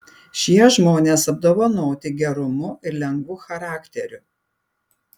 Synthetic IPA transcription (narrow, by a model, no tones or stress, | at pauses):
ʃʲiɛʒmoːnʲeːsɐb̚d̪oːʋɐnoːt̪ʲɪɡʲɛɾʊmʊʔɪɾlʲɛŋɡʋʊxɐɾɑːkʲt̪ʲɛɾʲʊ